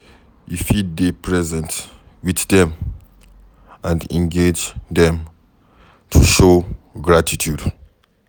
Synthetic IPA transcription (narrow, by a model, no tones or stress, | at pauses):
jifiddepʰɹɛzɛ̃nt | wiθdɛ̃m | ãnɛ̰̃nɡed͡ʒdɛ̃m | tʰuʃoɡɹatʰitʰjud